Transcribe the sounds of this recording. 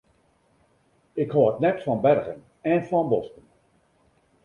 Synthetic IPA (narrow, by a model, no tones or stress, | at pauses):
ɪkhoːtnɛtfɔnbɛrɣən | ɛnfɔnbɔstən